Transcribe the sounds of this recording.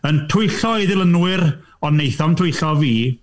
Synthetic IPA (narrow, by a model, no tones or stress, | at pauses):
əntʰʊjɬɔɪðɪlˠənwɪɾ | ɔnːejθɔmntʰʊjɬɔviː